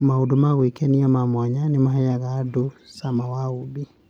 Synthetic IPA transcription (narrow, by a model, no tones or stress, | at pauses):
maudumaɣwikɛniamamwaɲanimaɦɛjaɣadusamawaubi